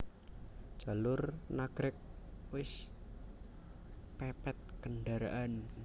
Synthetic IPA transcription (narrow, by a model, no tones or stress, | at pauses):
d͡ʒ̥a̤lʊrnaɡ̥ɾɪk̚wɪs | pɛpɛt̪̚kəɳɖaɾa̰ʔan